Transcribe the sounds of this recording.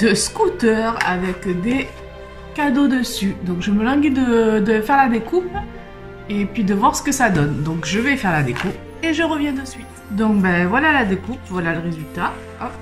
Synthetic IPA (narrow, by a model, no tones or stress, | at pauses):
d̪̥əskut̪œʁa̰vɛkd̪e | kad̪od̪əsyd̪ɔ̃kʒəməlɑ̃ɡʲid̪əd̪əfɛʁlad̪ekupl | epɥid̪əvwaʁsə̥kəsad̪ɔnd̪ɔ̃kʒəvɛfɛʁlad̪ekup | eʒəʁəvjɛ̃d̪əsɥit̪d̪ɔ̃kbɛvwalalad̪ekupvwalaləʁezylt̪a | ɔp̚